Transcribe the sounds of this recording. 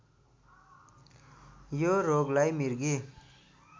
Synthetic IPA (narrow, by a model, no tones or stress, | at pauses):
joɾoɡlajmiɾɡi